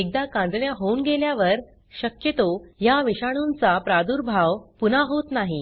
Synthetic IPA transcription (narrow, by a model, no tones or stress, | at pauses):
ek̚d̪akãnd͡z̪ɳjaɦounɡeljaʋəɾ | ɕəkjət̪ojaʋiɕaɽ̃unt͡sapɾad̪uɾbʱaʋwpunaɦot̪naɦi